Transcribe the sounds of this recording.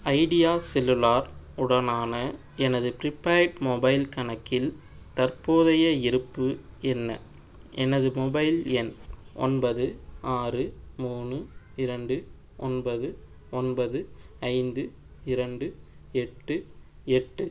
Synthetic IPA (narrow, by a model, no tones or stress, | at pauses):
ɐɪɽɪjaːsɛlːɯlaːɾ | ʊɽɐnaːnɐ | ɛnɐðɯpɪɾɪpːaːʈmobɐɪlkɐnɐkːɪl | t̪ɐrpoːðɐjɐɪɾɯpːɯɛnːɐ̰ | ʔɛnɐðɯmɔbɐɪlɛnʔɔ̰nbɐðɯaːrɯmuːnɯ | ɪɾɐɳɖɯ | ɔnbɐðɯ | ɔnbɐðɯɐɪnd̪ɯ | ɪɾɐɳɖɯ | ɛʈːɯ | ɛʈːɯ